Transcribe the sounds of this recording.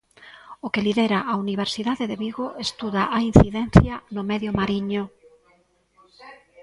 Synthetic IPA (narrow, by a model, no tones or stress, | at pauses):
okeliðeɾaʔauniβ̞eɾsiðaðeðeβiɣoʔest̪uðaʔain̟θiðɛn̟θjanʊmɛðjomaɾiɲʊ